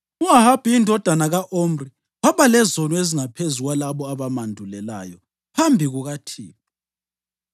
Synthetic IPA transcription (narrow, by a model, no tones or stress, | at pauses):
uahab̥ʱiindʱɔd̥ʱanaɣaʔom̩ri | waβalɛzonɔeziŋapʰezuɣwalaβɔaβamandʱulɛla̰ːjɔ | pʰambʱiɣuɣatʰḭːβi